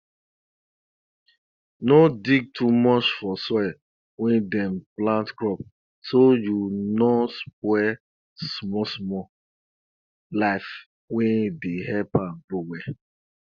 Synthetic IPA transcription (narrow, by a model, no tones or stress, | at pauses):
nodiɡ̚tʰumɔt͡ʃfɔsɔ | wɛ̃ndɛ̃mplãntkɹɔp | sojunɔspwɛ | smɔsmɔ | laɪf | wɛ̃ndehɛpãnɡowɛ